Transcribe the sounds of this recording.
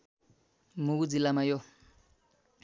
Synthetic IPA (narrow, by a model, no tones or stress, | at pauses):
mukud͡zilamajɔ